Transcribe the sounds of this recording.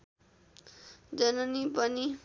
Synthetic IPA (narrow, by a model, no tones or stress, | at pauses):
d͡zʌnʌnipʌni